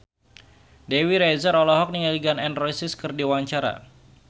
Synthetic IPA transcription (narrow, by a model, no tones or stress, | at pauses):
dewiɾɛzəɾɔlɔɦɔk̚niŋaliɡanɛnrɔjsɪskɨrdiwaɲt͡ʃaɾa̰